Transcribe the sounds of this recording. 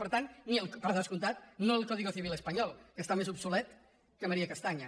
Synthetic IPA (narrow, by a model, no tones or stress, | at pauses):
pəɾt̪anniəlˠkpðaskunt̪at̪̚noəlˠkɔðiɣoθiβ̞iləspaɲɔlˠkəst̪amezupsulɛt̪ | kəməɾiakast̪aɲa